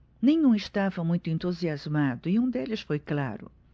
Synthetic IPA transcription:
nẽɲũiʃt̪avɐmũj̃t̪ʊẽnt̪uziazmad̪ʊiũd̪elɪʃfojkla̰ɾʊ̰

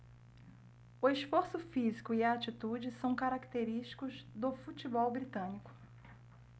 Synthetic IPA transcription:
ʊeʃfoɾsʊfizikʊiɐat͡ʃit̪ud͡ʒɪsɐ̃w̃kaɾakt̪eɾiʃt͡ʃi̥kʊzd̪ʊfut͡ʃibɔwbɾit̪ɐ̃nikʊ̥

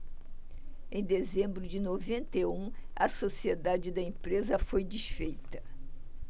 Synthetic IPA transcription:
ẽj̃d̪ezẽmbɾʊd͡ʒɪnovẽnt̪eũɐsosied̪ad͡ʒɪd̪ɐẽpɾezɐfojd͡ʒiʃfejt̪ɐ

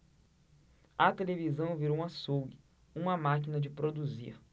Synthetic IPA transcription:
ɐt̪elevizɐ̃w̃viɾoũasowɡi | ũmɐmakinɐd͡ʒɪpɾod̪uzḭɾ

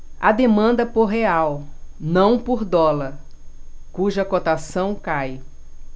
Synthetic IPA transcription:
ɐd̪emɐ̃nd̪ɐpoɾɦeawnɐ̃w̃poɾd̪ɔlɐɾ | kuʒɐkot̪asɐ̃w̃kaj

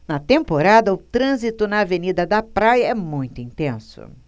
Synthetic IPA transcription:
nɐt̪ẽmpoɾad̪ɐʊt̪ɾɐ̃zit̪ʊnɐːvenid̪ɐd̪ɐpɾajɐɛmũj̃t̪ʊĩnt̪ẽsʊ̰

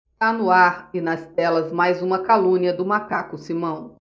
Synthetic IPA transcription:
t̪anʊaɾɪnɐst̪̚ɛlɐzmajzũmɐkalũniɐd̪ʊmakakʊsimɐ̃w̃

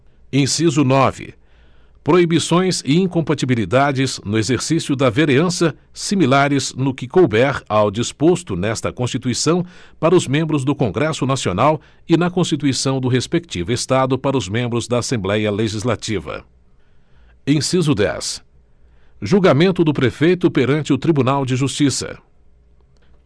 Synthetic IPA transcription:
ẽsizʊnɔvɪ̰ | pɾoibisõj̃sɪĩkõmpat͡ʃ̪ibilid̪ad͡ʒɪznʊezeɾsisiʊd̪ɐveɾeɐ̃sɐ | similaɾɪznʊkɪkowbɛɾawd͡ʒispost̪ʊnɛst̪ɐkõst͡ʃit̪uisɐ̃w̃paɾɐʊzmẽmbɾʊzd̪ʊkõŋɡɾɛsʊnasionaw | ɪnɐkõst͡ʃit̪uisɐ̃w̃d̪ʊɦespek̚t͡ʃivʊest̪ad̪ʊpaɾɐʊzmẽmbɾʊzd̪ɐasẽmblɛjɐleʒizlat͡ʃivɐ̰ | ẽsizʊd̪ɛ̰s | ʒuɡamẽnt̪ʊd̪ʊpɾefejt̪ʊpeɾɐ̃nt͡ʃɪʊt̪ɾibunawd͡ʒɪʒust͡ʃisɐ̰

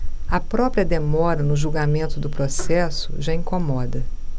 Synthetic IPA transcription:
ɐpɾɔpɾiɐd̪emɔɾɐnʊʒuwɡamẽnt̪ʊd̪ʊpɾosɛsʊʒaĩkomɔd̪ɐ

